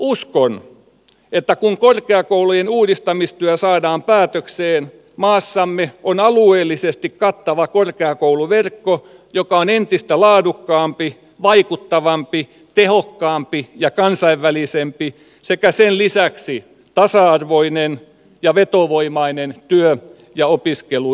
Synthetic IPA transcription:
uskon | et̪ːækuŋkorkeɑkoulujenuːdist̪ɑmist̪yæsɑːdɑːmpæːt̪økseːn | mɑːsːɑmːeonɑlueːlːisest̪ikkɑt̪ːɑʋɑkorkeɑkouluʋerkːo | jokɑonent̪ist̪ælɑːdukːɑːmpi | ʋɑikut̪ːɑʋɑmpi | t̪ehokːɑːmpijɑkɑnsɑiʋːælisempi | sekæsenlisæksi | t̪ɑsɑɑrʋoinen | jɑʋet̪oʋoimɑinent̪yø | jɑopiskelu

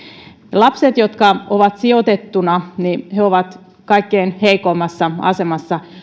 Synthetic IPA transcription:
lɑpset̪jot̪kɑoʋɑt̪siot̪et̪ːunɑniheoʋɑt̪ | kɑikːeinheikoimːɑsːɑɑ̰semɑsːɑ

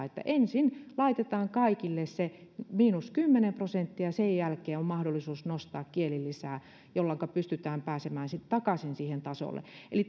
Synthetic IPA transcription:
et̪ːæ̰ʔensinlɑit̪et̪ɑːŋkɑikilːessemiːnuskymːenemprosent̪ːiɑsejjælkeːommɑhdolːˑisuːsnost̪ɑːkkielilːisæː | jolːɑŋkɑpyst̪yt̪æːmpæːsemæːnsit̪t̪ɑkɑsinsiːhent̪ɑso̰lːˑḛʔḛli

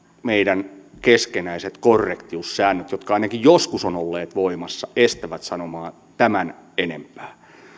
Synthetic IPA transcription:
meidænkeskenæiset̪korːekt̪iusːæːnːøt̪jot̪kɑɑinɑkijjoskusonolːeːt̪ʋoimɑsːɑest̪æʋæt̪sɑnomɑːn | t̪æmænenḛmpæ̥ː

